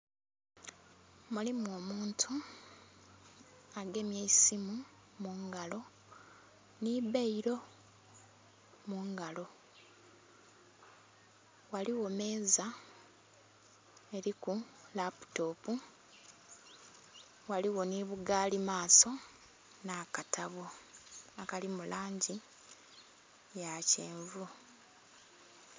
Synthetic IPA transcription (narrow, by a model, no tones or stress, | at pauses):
mulimwo̞ːmuːntʰu | aɡe̞mjeisimumuŋɡalo̞ | nibeiɾo̞ | muŋɡalo̞ | waliwo̞me̞ːza | e̞ɾikulapu̥to̞ːpu | waliwo̞niβuɡaːlimaːso̞ | nakatʰaβoakalimulʔaːɲɟi | jaceːɱvu